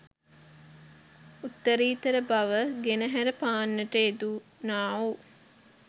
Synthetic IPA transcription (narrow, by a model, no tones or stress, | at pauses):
ut̪ːəɾiːt̪əɾəbaʋəɡenəɦæɾəpaːnːəʈəed̪unaːoː